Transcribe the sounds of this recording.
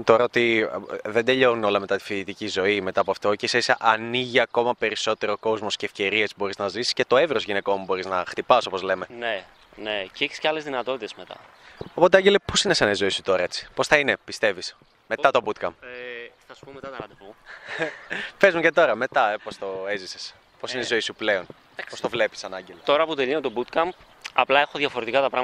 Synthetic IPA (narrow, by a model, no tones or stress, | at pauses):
t̪o̞ɾɐot̪iðend̪e̞ʎo̞nuno̞lɐme̞t̪ɐt̪i̥fit̪icizo̞ime̞t̪ɐːpoɐft̪o̞ceiseiseʔɐniʝiɐko̞mɐpe̞ɾiso̞t̪e̞ɾo̞ko̞zmo̞sceːfce̞ɾie̞sbo̞ɾiznɐzisce̞t̪o̞evɾozʝine̞ko̞mubo̞ɾiznɐxt̪ipɐso̞pozle̞me̞ne | neceçi̥sceɐlezðinɐt̪o̞t̪it̪ezmet̪ɐ̰ | opo̞t̪̬eɐɲɟelepo̞sinesɐnɐizo̞isut̪o̞ɾɐe̞t͡si̥po̞sθɐine̞pist̪e̞vis | me̞t̪ɐt̪o̞but̪kɐ̰mpθɐsu̥poet̪ɐ | pezmucet̪o̞ɾɐme̞t̪ɐepost̪o̞ezises | posineizo̞isuple̞o̞n | post̪o̞vle̞pi̥sɐnɐɲɟelot̪oɾɐput̪eʎinot̪o̞but̪kɐmp | ɐplɐe̞xoðʝɐfo̞ɾet̪ikɐt̪ɐpɾɐɣ